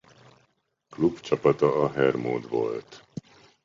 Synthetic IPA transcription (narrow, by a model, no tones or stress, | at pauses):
klubt͡ʃɒpɒt̪ɒːɦɛrmo̰ːd̪ʋo̞̰lt̪